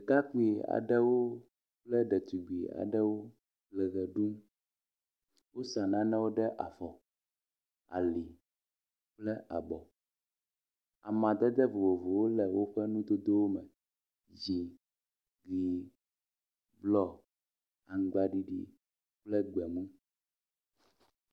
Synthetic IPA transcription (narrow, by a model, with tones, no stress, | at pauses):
ka˦k͡pu˦i˨a̰˨ɖɛ˦wo˦ | k͡plɛ˦ɖɛ˨t̪u˨ɡ͡bi˨a̰˨ɖɛ˦wo˦ | k͡plɛ˨ɣɛ˨ɖu˦m | wo˦sa˨nã˦nɛ̃˦wo˦ɖɛ˦ʔa˨fɔ˨ | a̰˨li˨ | k͡plɛ˦ʔa˨bɔ˨ | a˨mã˨d̪ɛ˦d̪ɛ˦vo˨vo˨vo˨wo˦lɛ˨wo˦ɸɛ˦nũ˦d̪o˦d̪o˦wo˦mɛ̃˨ | d͡ʑi˨ | ɡi˨ | blɔ˦ | a˨ŋ˨ɡ͡ba˨ɖi˨ɖḭ˨ | k͡plɛ˦ɡ͡bɛ˨mũ˦